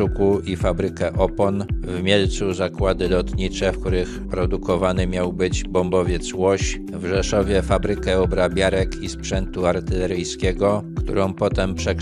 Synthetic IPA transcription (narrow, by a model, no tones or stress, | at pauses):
ukuifabɾɘkɛʔɔpɔnvmʲjɛlt̪suzakwad̪ɘlɔt̪ɲit͡ʂɛfkt̪uɾɘxpɾɔd̪ukɔvanɘmʲjawbɘd͡ʑbɔmbɔvʲjɛt̪swɔɕ | vʐɛʂɔvʲjɛfabɾɘkɛɔbɾabʲjaɾɛkʰispʂɛnt̪uaɾt̪ɘlɛɾɘjskʲɛɡɔkt̪ṵɾɔ̃w̃pɔt̪ɛmpʂɛk